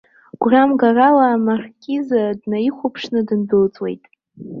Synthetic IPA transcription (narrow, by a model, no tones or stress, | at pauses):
ɡ̥ʷramɡaralaːmarkʲʰʼizadnaiχʷapʰʂnɨdɨnbɨlt͡sʼwe̞̰jtʼ